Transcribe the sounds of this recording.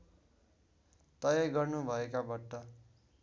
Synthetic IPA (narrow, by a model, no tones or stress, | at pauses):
t̪ʌjaɡʌrnubʱʌekabʌʈːʌ